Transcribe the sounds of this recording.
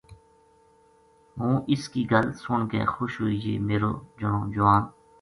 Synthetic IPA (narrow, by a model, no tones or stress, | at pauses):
ɦũːʔɪskiːɡəlsʊɳkḛːxoːʃɦoːiːd͡ʒḛːmeːɾo̰ːd͡ʒəɳoːd͡ʒʊʋãːn